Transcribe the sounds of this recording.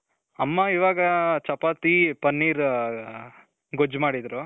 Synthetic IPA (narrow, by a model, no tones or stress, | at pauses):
ɐmːaiʋaːɡɐt͡ʃɐpaːt̪ipɐnːiːɾ | ɡod͡ʒmaːɽid̪ɾu